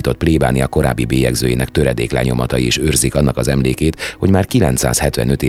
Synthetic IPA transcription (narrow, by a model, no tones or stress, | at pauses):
t̪o̞t̪̚pleːba̰ːniɒko̞ɾa̰ːbːibeːjɛɡzøːjeːnɛkt̪øɾɛd̪eːklɛ̰ɲo̞mɒt̪ɒjieːʃøːrzikɒnːɒkɒzɛmleːkeːt̪ho̞ɟmaːrkilɛnt̪sa̰ːshɛt̪ʋɛ̰nø̞t̪iː